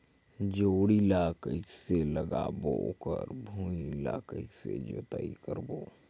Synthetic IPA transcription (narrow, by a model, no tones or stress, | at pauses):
d͡ʒoːɽilaːkəɪkseləɡaːbokəɾbʱuːilaːkəɪksḛd͡ʒoːt̪aːḭkəɾboː